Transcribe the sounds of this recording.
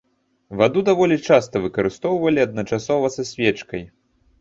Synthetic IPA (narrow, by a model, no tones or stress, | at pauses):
vad̪ud̪avɔlʲit͡ʂast̪ɐvɨkɐɾɨst̪ɔwvɐlʲiɐd̪̚nɐt͡ʂasɔvɐsasʲvʲɛt͡ʂkɐj